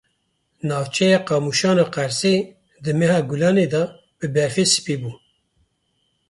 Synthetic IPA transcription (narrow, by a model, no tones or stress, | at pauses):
nɑːvt͡ʃʰɛjɑːqɑːmuʃɑːnɑːqæɾse | d̪ɨmɛhɑːɡulɑːned̪ɑ | b̥ɨbɛɾfesɨ̥piːbuː